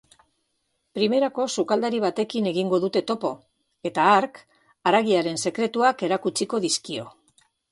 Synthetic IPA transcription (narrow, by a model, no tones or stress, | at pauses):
pɾime̞ɾako̞sukald̪aɾiβ̞at̪e̞kine̞ɣiŋɡo̞ðut̪e̞t̪o̞po̞ | e̞t̪aːɾk | aɾaɣiaɾe̞nse̞kɾe̞t̪uake̞ɾakut͡siko̞ðiskio̞̰